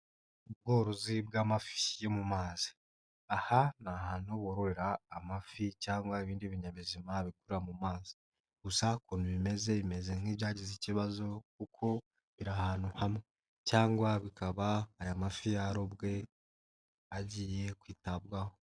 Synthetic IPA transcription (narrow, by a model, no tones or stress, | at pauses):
ub̚ɡoːɾozibɡaːmafi̥jemumaːzi̥ | ahanahaːnoβoɾoɾeɾaːmaficaːŋɡwaiβiːndiβiɲaβizimaβikuɾeɾamumaːzi̥ | ɡ̥usakonuβime̞ze̞βime̞ze̞n̥iːβjaːɟiziciβazo̞kukʰo̞ | βiɾahaːnuhame | caːŋɡwaβikaβaːjamafijaɾobɡe̞ | aɟiːje̞kwiːtabɡaho